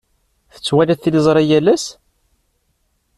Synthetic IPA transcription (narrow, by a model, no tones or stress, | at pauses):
θə̥t͡sːwælæθiləzˤɾˤæjælæs